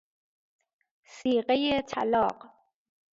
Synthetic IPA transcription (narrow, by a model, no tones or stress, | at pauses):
siːɢejet̪ʰæ̰lɒːq